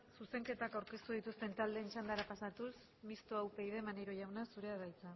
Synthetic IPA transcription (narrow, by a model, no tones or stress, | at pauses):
suse̞ŋke̞t̪akawɾke̞st̪uðit̪ust̪e̞nt̪ald̪eːnt͡ʃand̪aɾapasat̪us | mist̪oawpe̞jðe̞maneɾo̞ʝawnasuɾe̞aðajt͡sa